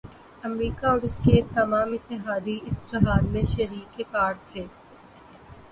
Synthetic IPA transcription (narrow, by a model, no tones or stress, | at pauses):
ɐmɾiːkaɔːɾɪsket̪ɐmaːmɪt̪ːɪɦaːd̪iɪsd͡ʒɐɦaːd̪mẽʃɐɾiːkːekaːɾt̪ʰeː